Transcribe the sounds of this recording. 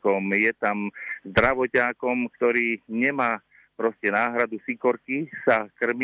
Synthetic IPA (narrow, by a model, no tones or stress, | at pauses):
kɔmjɛt̪amzd̪ɾaʋɔcaːkɔmkt̪ɔɾiːɲɛmaː | pɾɔscɛnaːɦɾad̪usikɔɾkisakr̩m